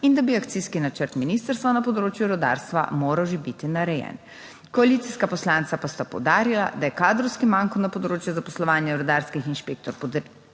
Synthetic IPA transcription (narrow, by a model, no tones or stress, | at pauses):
ind̪abiakt̪siskinat͡ʃəɾt̪minist̪əɾst̪ʋanɐpɔd̪ɾoːt͡ʃjuɾɔd̪a̰ːɾst̪ʋa̰moːɾawʒebit̪inaɾɛjɛ̰n | kɔalit̪siskapɔslaːnt̪sapast̪apɔ̰wd̪aːɾila̰d̪ajɛkaːd̪ɾɔwskimaŋkɔnɐpɔd̪ɾoːt͡ʃjuzapɔslɔʋaːnjaɾɔd̪aːɾskixinʃpeːk̚t̪ɔɾpɔd̪əɾ